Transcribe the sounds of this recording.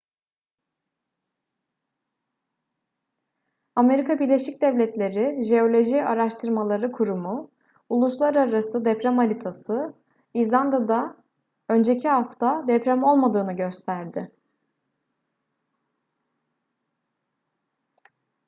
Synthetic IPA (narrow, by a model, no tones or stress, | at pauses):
ame̞ɾikabiɾlʲeʃic̚d̪ɛvlʲɛt̪lʲe̞ɾɪʒe̞o̞lʲo̞ʒiaɾaʃt̪ʰɯɾmalˠaɾɯkʰuɾumu | ulˠuslˠaɾaɾasɯd̪ɛpɾɛmalʲit̪ʰasɯ | izlʲˠand̪ad̪a | ø̞nd͡ʒecʰiɦaft̪ʰad̪ɛpɾamo̞lˠmad̪ɯːnɯɟø̞st̪ʰæɾd̪ɪ